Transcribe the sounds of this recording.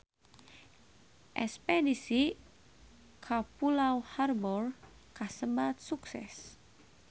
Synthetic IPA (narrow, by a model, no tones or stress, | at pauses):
ʔɛspɛdisi | kʰapulawharbɔr | kasəbat̪̚suksɛ̰s